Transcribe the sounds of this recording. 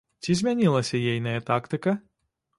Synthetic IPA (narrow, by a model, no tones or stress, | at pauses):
t͡sʲizʲmʲanʲilˠɐsʲɐjɛjnɐjɐt̪akt̪ɨkɐ